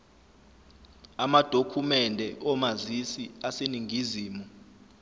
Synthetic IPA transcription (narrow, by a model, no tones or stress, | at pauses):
amad̥ʱokʰumɛndʱɛʔɔmazisiaseniŋɡʱiziːmu